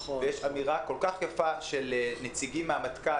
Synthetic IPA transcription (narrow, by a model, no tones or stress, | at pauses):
vejeʃamiʁakolkaχjafaʃelnet͡siɡimːeamat̪ka